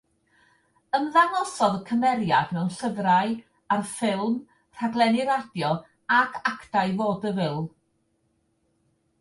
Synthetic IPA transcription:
əmðanɔsɔðəkʰəmɛɾjadmɛwnɬəvraj | arfɪlˠm | r̥aɡlˠɛnɪɾadjɔ | akʰakʰtajvoːdəvɪlˠ

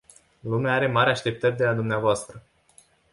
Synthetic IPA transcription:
lumeaaɾe̞maɾʲaʃt̪e̞p̚t̪ərʲd̪e̞lad̪umneavoast̪ɾə

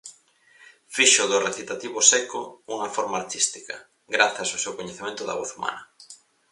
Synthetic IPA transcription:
fiʃʊðʊreθit̪at̪iβʊsɛkouŋɐfoɾmaaɾt̪ist̪ikɐ | ɡɾaθɐsosewkoɲeθemẽnt̪ʊðɐ̰βɔθuma̰nɐ

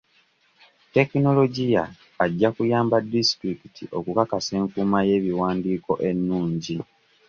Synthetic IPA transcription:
te̞kino̞lo̞ɟijaː | ɟːakujaːmbadːistɾikitʰḭʔo̞kukakase̞ːŋkumaje̞ːβiwaːndiːko̞ʔe̞nːuːɲɟi

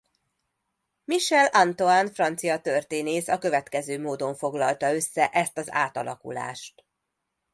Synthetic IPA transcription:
miʃɛlɒnt̪oaːnfrɒnt̪sijɒt̪ørt̪eːneːsɒkø̞vɛt̪kɛzøːmoːd̪o̞ɱfo̞ɡlɒlt̪ɒø̞sːɛʔɛst̪ɒza̰ːt̪ɒ̰lɒ̰kṵla̰ːʃt̪

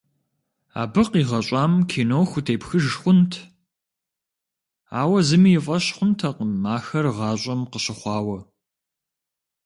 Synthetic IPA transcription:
a̰ːbɨqiːʁɐɕʼɑːmkʰiːnowxʷʊtʰeːpxɨʒxʷʊntʰ | a̰ːwɐzɨmijɪfʼɐɕχʷʊntʰɐqəmaːxɐrʁɑːɕʼɐmqəɕɪχʷɑːwɐ

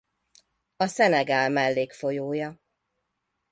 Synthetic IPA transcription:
ɒsɛnɛɡaːlmɛlːeːkfo̞joːjɒ

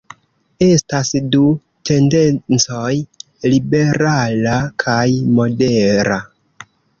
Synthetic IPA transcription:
e̞stasdu | te̞nde̞nt͡soj | libe̞ɾalakʰajmo̞deɾa

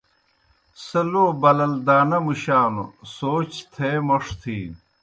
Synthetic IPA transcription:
sɐloːbɐlɐld̪aːnɐmuɕaːno̰soːt͡ɕt̪ʰeːmoʂt̪ʰiː

